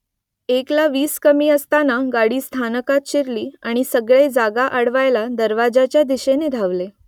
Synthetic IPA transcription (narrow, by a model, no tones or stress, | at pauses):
eklaʋiːskəmiːəst̪anaɡaɽiːst̪ʰanəkat̪̚ɕiɾliːaɽ̃isəɡɭed͡zaɡaʔəɽʋajlad̪əɾʋad͡zat͡ɕjad̪iɕened̪ʱaʋle